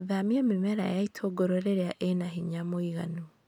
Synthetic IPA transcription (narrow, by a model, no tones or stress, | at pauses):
ðamiamimɛɾa̰jaitʰoɡoɾoɾeɾeaʔenahiɲamoiɣa̰nu